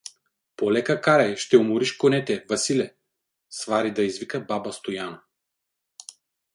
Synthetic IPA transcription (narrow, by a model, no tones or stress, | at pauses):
polɛkakaɾɛjʃt̪ɛumuɾiʃkonɛt̪ɛvɐsilɛ | svaɾid̪ɐizvikəbabɐst̪ojanɐ